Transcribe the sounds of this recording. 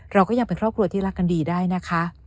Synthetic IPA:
ɾa˧wkɔː˥˩ja˧ŋpe˧nkʰɾɔː˥˩pkʰu˧ɐt̪ʰiː˥˩ɾa˦˥kːa˧ndiː˧daː˥˩jna˦˥kʰa˦˥ʔ

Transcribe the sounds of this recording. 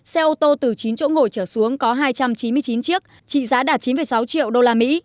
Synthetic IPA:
sɛ˧ʔo˧t̪o˧t̪ɨ˨˩t͡ɕi˨˦nt͡ɕo̰˧˥ŋo˨˩jt͡ɕəː˧˩su˨˦əŋkɔ˨˦ɦaː˧jt͡ɕa˧mt͡ɕi˨˦nmɨ˧əjt͡ɕi˨˦nt͡ɕɨ˦˥ək̚ | t͡ɕḭ˧˨zaː˨˦ɗaː˨˩t̚t͡ɕi˨˦nfə˨˩jsa˨˦wt͡ɕḭ˧˨əwɗo˧laː˧mḭ˧˥

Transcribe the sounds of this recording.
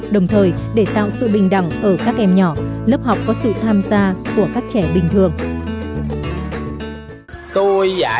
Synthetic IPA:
ɗə˨˩wŋ͡mt̪ʰəː˨˩jɗe˧˩t̪a̰ː˧˨wsɨ̰˧˨ɓï˨˩ŋ̟ɗa˧˩wŋʔəː˧˩kaː˦˥k̚ʔɛ˧mɲɔ˧˩lə˦˥p̚hɦa˨˩wk͡p̚kɔ˨˦sɨ̰˧˨t̪ʰaː˧mzaː˧ku˧˩əkaː˦˥k̚t͡ɕɛ˧˩ɓï˨˩ŋ̟t̪ʰɨ˨˩əŋ | t̪o˧ja̰ː˧˩

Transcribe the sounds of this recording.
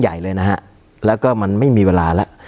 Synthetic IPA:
ja˨˩jlɤː˧jna˦˥kʰa˦˥ʔ | lɛː˦˥wkɔː˥˩ma˧nma˥˩jmiː˧weː˧laː˧la˦˥ʔ

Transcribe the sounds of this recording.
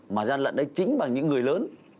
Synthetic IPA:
maː˨˩zaː˧nlə̰˧˨nɗə˨˦jt͡ɕï˨˦ŋ̟ɓa˨˩ŋɲɨ̰˧˥ŋːɨ˨˩əjləː˨˦n

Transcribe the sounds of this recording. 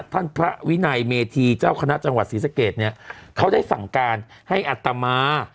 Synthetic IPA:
t̪ʰa˥˩npʰɾa˦˥wi˦˥na˧jmeː˧t̪ʰiː˧t͡ɕaː˥˩wkʰa˧na˦˥ʔt͡ɕa˧ŋwa˨˩t̪̚siː˩˦sa˧˥keː˨˩t̪̚ni˦˥ɐkʰa˦˥wdaː˥˩jsa˨˩ŋkaː˧nha˥˩jʔa˨˩t̪ːa˧maː˧˥

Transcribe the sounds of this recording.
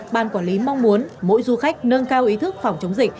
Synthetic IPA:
ɓa̰ː˧˨nkwɔː˧˩li˨˦ma˧wŋ͡mmu˨˦ənmo̰˧˥jzu˧xa˦˥jk̟̚nəː˧nkaː˧wʔi˨˦t̪ʰɨ˦˥k̚fa˨˩wŋ͡mt͡ɕə˨˦wŋ͡mzï˧˨˩k̟̚

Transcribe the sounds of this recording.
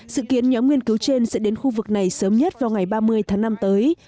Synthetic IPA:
zɨ̰˧˨ki˨˦ənɲɔ˨˦mŋwi˧ənkɨ˨˦wt͡ɕe˧nsɛ̰˧˥ɗe˨˦nxu˧vɨ˨˩k̚na˨˩jsəː˨˦mɲə˦˥t̚vaː˨˩wŋa˨˩jɓaː˧mɨ˧əjt̪ʰaː˨˦ŋna˧mt̪əː˨˦j

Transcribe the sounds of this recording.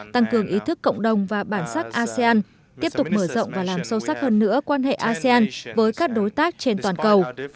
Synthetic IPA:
t̪a˧ŋkɨ˨˩əŋʔi˨˦t̪ʰɨ˦˥kːə̰˧˨wŋ͡mɗə˨˩wŋ͡mvaː˨˩ɓaː˧˩nsa˦˥k̚ʔaː˧si˧aː˧n | t̪i˦˥əp̚t̪ʊ˨˩k͡p̚məː˧˩zə̰˧˨wŋ͡mvaː˨˩laː˨˩msə˧wsa˦˥k̚həː˧nːɨ̰˧˥əkwaː˧nɦḛ˧˨ʔaː˧si˧aː˧nvəː˨˦jkaː˦˥k̚ɗo˨˦jt̪aː˦˥k̚t͡ɕe˧nt̪waː˨˩nkə˨˩w

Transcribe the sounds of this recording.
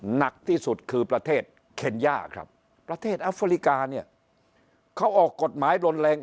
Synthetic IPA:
na˨˩k̚t̪ʰiː˥˩su˨˩t̪̚kʰɯː˧pɾa˧t̪ʰeː˥˩t̪̚ | kʰe˧njaː˥˩kʰɾa̰˦˥p̚ː | ɾa˧t̪ʰeː˥˩t̪̚ʔa˦˥fa˧li˦˥˩kaː˧ni˥˩ɐ | kʰa˦˥wʔɔː˨˩kːo˨˩t̪̚maː˩˦jɾo˧nlɛː˧ŋ

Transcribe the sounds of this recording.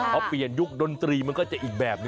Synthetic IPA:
ʔɔ˨˧˥pːli˨˩ənju˦˥k̚do˧nt̪ɾiː˧ma˧nkɔː˥˩t͡ɕa˨˩ʔiː˨˩k̚bɛː˨˩p̚n˧

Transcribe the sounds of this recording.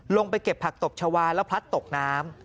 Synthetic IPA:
lo˧ŋpa˧jke˨˩pʰːa˨˩k̚t̪o˨˩p̚t͡ɕʰa˧waː˧nlɛ˦˥wpʰa˦˥t̪ːo˨˩k̚naː˦˥m

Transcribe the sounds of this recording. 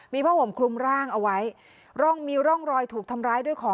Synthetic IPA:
miː˧pʰɔː˥˩ho˩˦mkʰlu˧mɾaː˥˩ŋʔa˧wa˦˥j | ɾɔ˥˩ŋmiː˧ɾɔ˥˩ŋɾɔː˧jt̪ʰuː˨˩k̚t̪ʰa˧mɾaː˦˥jdu˥˩əjkʰɔː˩˦

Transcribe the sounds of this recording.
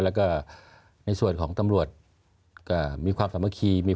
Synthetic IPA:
lɛː˦˥wkɔː˥˩ | na˧jsu˨˩ənkʰɔː˩˦ŋt̪a˧mɾu˨˩ət̪̚ | kɔː˥˩miː˧kʰwaː˧msa˨˩˦mːa˧kʰiː˧miː˧

